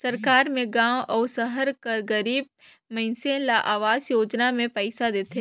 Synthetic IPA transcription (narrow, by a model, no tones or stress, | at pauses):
sɐɾkaːɾmẽɡãːwɔːsəɦəɾkɐɾɡəɾiːb̚ | mɐɪnsẽlaʔaːʋaːzjoːd͡ʒnamẽpɛɪsad̪eːt̪ʰe